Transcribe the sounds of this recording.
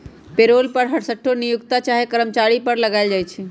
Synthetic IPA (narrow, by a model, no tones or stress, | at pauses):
peɾolpəɾɦəɽsəʈʰːonijukt̪at͡ʃaɦekəɾəmt͡ʃaɾipəɾləɡaɪld͡ʒajt͡ʃʰɛ